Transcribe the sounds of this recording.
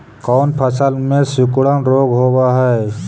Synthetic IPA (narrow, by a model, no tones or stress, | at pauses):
kɔːnpʰəsəlmẽsʊkuɽənɾoːɡɦobaɦɛ